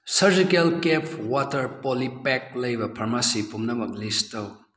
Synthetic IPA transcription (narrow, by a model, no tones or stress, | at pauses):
səɾd͡ʒikelkɛpʰwatəɾpɔlipɛk̚ləjbɐpʰɐɾmasipʰumnɐmɐk̚listəw